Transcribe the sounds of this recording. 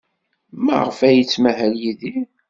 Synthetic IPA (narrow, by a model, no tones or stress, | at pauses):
mæ̰ʁəfæjət͡sːmæɦæljiði